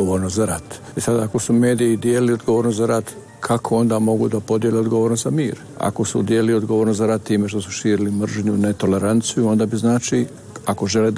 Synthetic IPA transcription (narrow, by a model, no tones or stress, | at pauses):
oʋoːɾnozaɾat̪ | isad̪aako̞sume̞ːd̪iid̪jeːliliod̪ɡoʋo̞ːɾnoszaɾat̪ | kʰakʰo̞o̞nd̪amo̞ɡṵd̪apo̞d̪jeleo̞d̪ɡoʋoːɾnot̪zamḭːɾ | a̰ko̞sṵd̪jeːliliod̪ɡoʋoːɾnozaɾat̪ːiːme̞ʃ̬t̪o̞su̥ʃiːɾilimr̩ʒɲunet̪o̞le̞ɾant̪sijuo̞nd̪abiznaːt͡ʃi | ako̞ʒe̞le